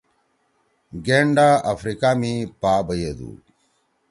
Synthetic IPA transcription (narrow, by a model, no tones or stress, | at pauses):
ɡeɳɖaɐfɾikaːmipaːbɐjed̪ṵ